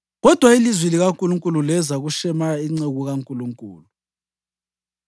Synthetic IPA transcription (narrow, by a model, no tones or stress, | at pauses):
ɣɔd̥ʱwailizwiliɣaŋkʼuluŋkʼululɛzaɣuʃɛmaiŋ͡ǀeɣuɣaŋkʼuluŋkʼṵːlu